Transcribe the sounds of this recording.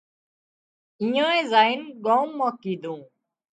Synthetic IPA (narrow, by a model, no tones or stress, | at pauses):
ĩjãːẽːzaːɪnɡaːmːãːkiːd̪ũː